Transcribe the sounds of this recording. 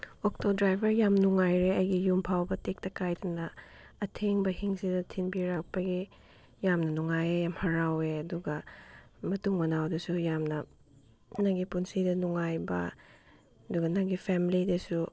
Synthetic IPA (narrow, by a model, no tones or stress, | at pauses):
ok̚todɾajbʱɐɾjamnuŋajɾeɐjɡijumpʰawbɐtek̚tɐkajdɐnɐ | ɐtʰeŋbɐhiŋsidɐtʰinbiɾak̚pɐɡi | jamnɐnuŋajejamhɐɾaweɐduɡɐmɐtuŋmɐnawdɐsujamnɐ | naŋɡipunsidɐnuŋajbɐ̰ | ɐduɡɐnaŋɡipʰɛmilidɐsu